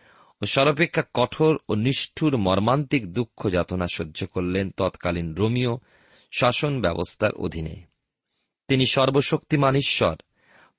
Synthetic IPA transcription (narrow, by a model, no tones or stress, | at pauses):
oʃɔɾop̬ekʰːakɔʈʰoɾoniʃʈʰuɾmɔɾmant̪ikd̪ukʰːod͡ʑat̪onaʃodːd͡ʑʱokoɾlent̪ɔt̪kalinɾomio | ʃaʃonbɛbo̰st̪ʰa̰ɾʔo̰d̪ʱinḛ | t̪iniʃɔɾboʃokt̪imaniʃːɔ̰ɾ